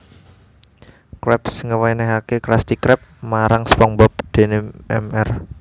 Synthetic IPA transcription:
kɾɛpsŋəwajnɛɦakekɾast̪ikɾɛp̚maɾaŋspɔŋbɔp̚d̪̥e̤nɛɛmɛr

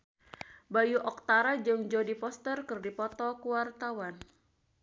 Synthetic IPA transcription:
bajuʔɔk̚t̪aɾad͡ʒɨŋd͡ʒodipɔst̪ərkɨrdipɔt̪ɔkuwart̪awan

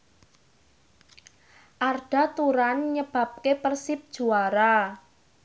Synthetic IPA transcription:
ʔarɖ̥a̤t̪uɾanɲəb̥ä̤p̚kepərsɪp̚d̥ʒ̥ṳaɾa

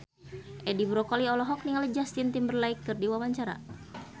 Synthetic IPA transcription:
ʔɛdibɾɔkɔliɔlɔɦɔk̚niŋalid͡ʒast̪int̪imbərlaikːɨrdiwawaɲt͡ʃaɾa̰

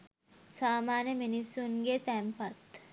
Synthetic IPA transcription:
saːmaːnjəminisːunɡet̪æmpat̪

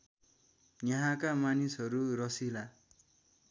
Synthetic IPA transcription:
nʌɦãkamanisɦʌɾuɾʌsila

